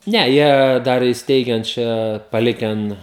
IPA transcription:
ˈnʲɛ jiɛ ˈdɐr ɪsʲˈtʲɛɪɡʲɛn ˈt͡ʃʲɛ pɐˈlʲɪkʲɛn

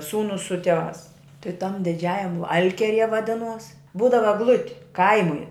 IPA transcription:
ˈsuːnʊs sʊ tʲiɛˈʋɑːs tʲɪ tɐm dʲɪˈd͡ʒʲæːjɛm ˈɐlʲkʲiɛrʲiɛ ʋɐˈdʲɪnuɔs ˈbuːdɐʋɐ ɛɡˈlˠʊtʲɪ ˈkɐɪmʊɪ

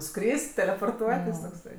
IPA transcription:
ˈskrʲɪsʲtʲ tʲɛlʲɛpoːrˈtuɔtʲɪs toːkˈsɐɪ

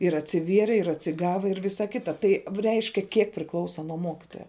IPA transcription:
ɪr ɐtʲsʲɪˈʋʲiɛrʲɪ ɪr ɐtʲsʲɪˈɡɑːʋɐ ɪr ˈʋʲɪsɐ ˈkʲɪtɐ tɐɪ ʋ ˈrʲɛɪʃʲkʲɛ ˈkʲiɛk pʲrʲɪˈklˠɐʊsɐ nuɔ ˈmoːkʲɪtoːjɛ

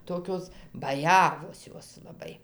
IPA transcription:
ˈtoːkʲoːs bɐˈjæːʋoːs ˈjoːs lˠɐˈbɐɪ

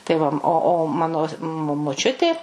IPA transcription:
tɐɪ ˈʋɐ ˈoː oː ˈmɑːnoː moː moːˈt͡ʃʲʊtʲeː

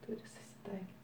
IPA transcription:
ˈtʊrʲɪ sʊsʲɪˈtɐɪkʲɪt

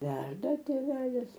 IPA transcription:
ˈʋʲɛrdɐ tʲeːˈʋʲæːlʲɪs

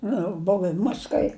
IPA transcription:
ˈnʊ ˈboːw ɪ ˈmɐs kɐɪ

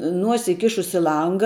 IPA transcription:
ˈnuɔsʲɪ ɪˈkʲɪʃʊs ɪ ˈlˠɐŋɡɐ

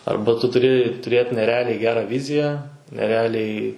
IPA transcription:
ˈɐrbɐ tʊ tʊˈrʲɪ tʊˈrʲeːt nʲɛˈrʲɛɐlʲɛɪ ˈɡʲæːrɐ ˈʋʲɪzʲɪjæː nʲɛˈrʲɛɐlʲɛɪ

